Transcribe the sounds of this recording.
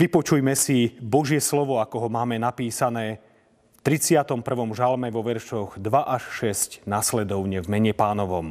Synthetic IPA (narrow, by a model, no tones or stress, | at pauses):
ʋipɔt͡ʃujmɛsibɔʒɪɛslɔʋɔakɔɦɔmaːmɛnapiːsanɛː | ft̪ɾit͡sɪat̪ɔmpr̩ʋɔmʒalmɛʋɔʋɛɾʃɔɣd̪ʋaʔaʃʃɛscnaslɛd̪ɔʊɲɛvmɛɲɛpaːnɔʋɔm